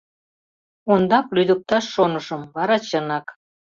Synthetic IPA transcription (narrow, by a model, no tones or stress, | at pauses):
ond̪ɑklyd̪ək̚t̪ɑʃːonəʃəmβɑɾɑt͡ɕənɑk